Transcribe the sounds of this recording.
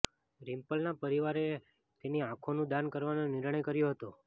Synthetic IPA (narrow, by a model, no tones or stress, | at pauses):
ɾimpəlnapəɾiʋaɾe | t̪eniãkʰonũd̪ankəɾʋanonɪɾɳəjkəɾjoɦət̪o